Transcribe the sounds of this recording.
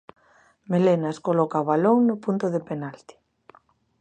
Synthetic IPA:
melenaeskolɔkaβaloŋnʊpunt̪ʊðepenalt̪i̥

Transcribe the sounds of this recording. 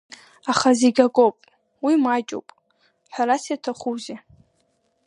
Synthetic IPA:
aχazeɡʲakʼowpʼ | wimat͡ʃʼo̰wpʼ | ħʷᶣaɾasjatʰaχuze

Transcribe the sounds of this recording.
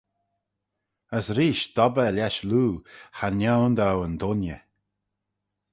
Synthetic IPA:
əsɾiːʃd̪̥ɔbəlʲɛʃluːhanjawnd̪awənd̪ʊnjə̰

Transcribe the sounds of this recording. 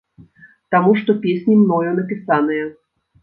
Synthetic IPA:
t̪amuʂt̪ɔpʲesʲnʲimnɔjɔnɐpʲisanɨjɐ

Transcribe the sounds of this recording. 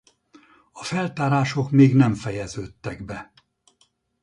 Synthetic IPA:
ɒfɛlt̪aːɾaːʃo̞kmeːɡnɛmfɛjɛzøːt̪ːɛɡbɛ

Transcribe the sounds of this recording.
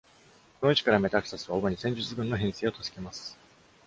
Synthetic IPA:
konoit͡ɕi̥kaɾame̞t̪akɯ̥sasɨβaomoɲ̟isẽ̞ɲ̟d͡ʑɨt͡sɨɡɯ̟nːo̞ɦẽɰ̃se̞ːo̞t̪osɨ̥ke̞masɨ̥

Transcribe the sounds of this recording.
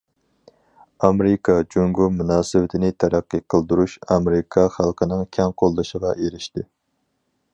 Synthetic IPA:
ɑmɾɪkʰɑd͡ʒoŋɡumunɑːsɨwɪt̪ʰɪnɪt̪ʰæɾæqːəqʰəlˠd̪uɾuʃɑmɾɪkʰɑχælˠqʰənɨŋkʲʰɛŋqʰolˠd̪ɨʃəʁɑʔeɾɪʃt̪ɪ

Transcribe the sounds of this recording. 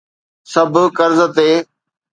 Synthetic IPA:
sɐbʱkəɾzət̪eː

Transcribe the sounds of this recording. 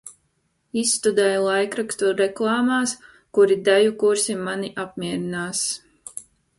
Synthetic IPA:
isːt̪ud̪ɛjlˠajkɾakst̪uɾɛklˠɑːmaːs | kuɾid̪æjukuɾsimːaniʔap̚mʲiɛɾinaːs

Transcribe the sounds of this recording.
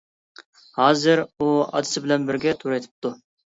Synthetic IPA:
hɑːzɪɾuɑ̰d̪ɨsɪbɪlɛnbɪɾɡʲɛt̪ʰuɾɛt̪ʰɪ̥p̚t̪ʰu

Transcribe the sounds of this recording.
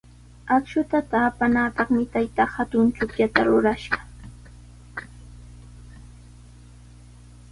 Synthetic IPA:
akʃʊt̪at̪aːpanaːpɑχmɪt̪ajt̪ahat̪ʊnt͡ʃʊkjat̪aɾʊɾaʃɢɑ̥

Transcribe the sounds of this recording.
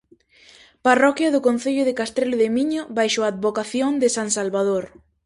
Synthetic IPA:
parɔkjɐðʊkõn̟θeʎʊðɪkast̪ɾelʊðemiɲoβajʃoaːd̪βokaθjoŋd̪ɪsaŋsalβaðoɾ

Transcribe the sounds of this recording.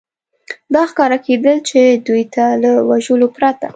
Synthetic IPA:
d̪ɑxkɑɾaked̪əlt͡ʃed̪ujt̪aləwaʒəlopɾat̪a

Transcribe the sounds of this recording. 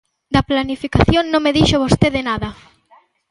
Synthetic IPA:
d̪ɐplanifikaθjoŋnõŋmeðiʃoβost̪eðɪnaðɐ

